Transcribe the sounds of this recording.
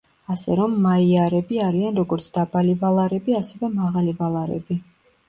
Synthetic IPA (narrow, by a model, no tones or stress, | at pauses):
asɛɾɔmːaiaɾɛbiaɾianɾɔɡɔɾt̪sʰd̪̥abalivalˠaɾɛbiasɛvɛmaʁalivalˠaɾɛ̰bi